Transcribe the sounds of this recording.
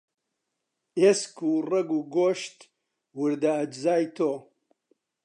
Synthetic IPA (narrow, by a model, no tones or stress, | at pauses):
eːskuːreɡuːɡoːʃt̪ | wɨɾd̪aɐd͡ʒzaːjt̪ʰoː